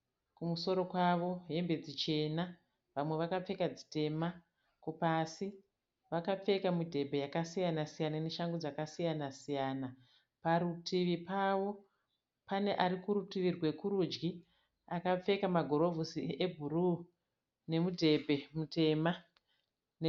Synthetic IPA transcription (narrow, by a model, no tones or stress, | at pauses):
kumuso̞ɾo̞kwaʋo̞ɦe̞mbe̞d͡zit͡ʃe̞na | ʋamwe̞ʋakap͡fe̞kad͡zi̥te̞ma | kupasi | ʋakap͡fe̞kamudʱe̞bʱe̞jakasijanasijanane̞ʃaŋɡod͡zakasijanasijaːna | paɾutʰiʋipaʋo̞ | pane̞ʔaɾikuɾutiʋirwe̞kuɾud͡ʒɡi | akap͡fe̞kamaɡʱo̞ɾo̞vʱusiʔe̞bʱuruː | ne̞mudʱe̞bʱe̞mute̞ːma | n